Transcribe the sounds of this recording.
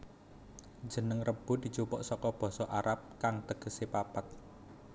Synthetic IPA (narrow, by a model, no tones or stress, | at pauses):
d͡ʒʒ̥ə̤nəŋrəb̥ṳd̪̥i̤t͡ʃupɔʔsɔkɔb̥ɔ̤sɔʔaɾap̚kaŋt̪əɡ̥ə̤sepapat̪̚